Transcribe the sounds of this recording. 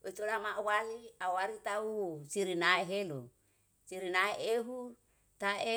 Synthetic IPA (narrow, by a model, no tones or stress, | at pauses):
ʔet̪olamaʔowaliaowaɾit̪ausiɾinaeɦelo | siɾinaeʔeɦu | t̪ae